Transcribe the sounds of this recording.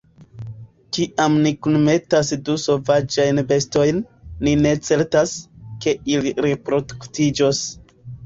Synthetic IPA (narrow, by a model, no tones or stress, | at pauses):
kiʔamnikunme̞tasduso̞vad͡ʒajnbe̞sto̞jnːine̞t͡se̞ɾtaske̞iliɾepɾo̞duktid͡ʒo̞s